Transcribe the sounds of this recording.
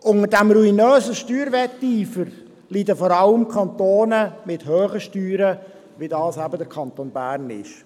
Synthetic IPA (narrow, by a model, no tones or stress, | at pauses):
ʔʊŋəɾdæmɾuinøːzəʃtyːɾʋɛtːiːfəɾ | lid̪əfɔɾɑləmkʰɑnt̪oːnəmɪthøːχəʃtyːɾə | ʋidɑːsæbədəɾkʰɑnt̪onbæːɾnɪ̰ʃ